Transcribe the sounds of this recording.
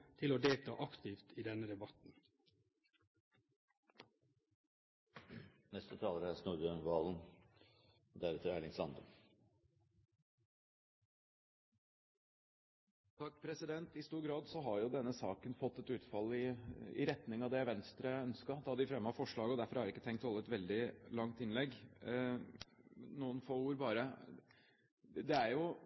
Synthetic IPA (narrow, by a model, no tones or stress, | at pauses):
t̪ʰɪloːd̪eːlt̪ʰɑ̰ːʔɑkt̪ɪft̪iːd̪ɛnəd̪ɛbɑt̪n̩ | nɛst̪ət̪ʰɑːləɾəæsnuɾd̪øːnʋɑːln̩ | d̪æɾɛt̪əɾæɭɪŋsɑnd̪ə̰ | t̪ʰɑkːpʰɾɛsɪd̪ɛnt̪ɪst̪uːɾɡɾɑːd̪sɔɦɑɾjʊd̪ɛnːəsɑːkənfɔt̪ːɛt̪ʉːt̪fɑlɪɪ̰ɾɛt̪nɪŋɑʋd̪ɛːæʋɛnst̪ɾəœnskɑd̪ɛhɑɖ̪ɪfɾɛmːəhɑfɔʂɭɑːɡəɔd̪æɾfɔɾhɑɾɪkːət̪ʰɛŋkt̪hɔlːəɛt̪ʋɛld̪ɪlɑŋt̪ɪnlɛɡ | nuːənfoːuːɾbɑːɾə | d̪ɛæɾjʊ